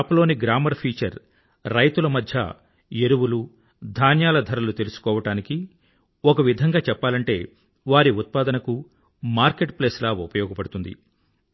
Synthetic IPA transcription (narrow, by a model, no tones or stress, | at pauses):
pulo̞ːniɡɾaːmɐɾpʰiːt͡ʃɐɾː | ɐjt̪ulɐmɐd̪ʱjɐ̰ | eɾuwulu | d̪ʱaːnjaːlɐd̪ʱɐɾɐlut̪e̞lusu̥kɔːʋɐʈaːniki | ɔkɐʋid̪ʱɐŋɡaːt͡ʃɛpːaːlɐɳʈe̞̰ː | ʋaːɾiut̪̚paːd̪ɐnɐku | maːɾke̞ʈ̚pleːslaːupɐjɔːɡɐpɐɽut̪und̪ḭ